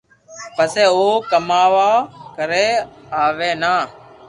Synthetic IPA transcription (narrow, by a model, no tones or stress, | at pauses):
pəseːoːkəmaːʋaːkəɾeːaːʋeːnaː